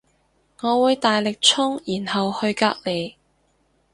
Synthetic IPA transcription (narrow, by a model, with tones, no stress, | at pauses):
ŋɔː˨˧wuː˨˧jt̪aː˨jlɪ˨k̚t͡ʃʰʊ˥ŋjiː˨˩nhɐ˨whɵ˧ɥka̰ː˧˥k̚le˨˧j